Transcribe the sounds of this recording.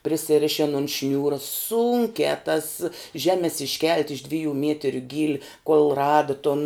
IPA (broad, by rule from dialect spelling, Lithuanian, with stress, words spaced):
pʲrʲɪsʲɪˈrʲɪʃʲɪn oːn ˈʃʲnʲuːrɐ ˈsuːŋʲkʲæː tɐs ˈʒʲæːmʲɛs ɪʃʲˈkʲɛlʲtʲ ɪʃ ˈdʲʋʲɪjuː ˈmʲiɛtʲɪrʲʊ ˈɡʲiːlʲɪ koːlˠ ˈrɑːdɐ toːn